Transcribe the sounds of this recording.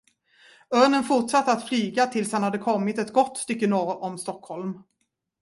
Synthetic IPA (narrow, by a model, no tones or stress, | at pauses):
œːɳənfʊʈʂat̪ːəat̪flyːɡat̪ʰɪlshanhad̪ːəkʰɔmːɪt̪ɛt̪ɡɔt̪ːst̪ʏkːənoːɾʔɔmst̪ɔkʰhɔlm